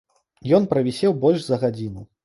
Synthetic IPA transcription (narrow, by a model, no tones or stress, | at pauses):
jɔnpɾɐvʲisʲɛwbɔlʲʂzɐɣad͡zʲinu